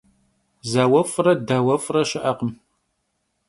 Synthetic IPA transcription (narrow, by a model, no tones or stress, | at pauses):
zaːwɐfrɐdaːwɐfʼrɐʃɪʔɐqəm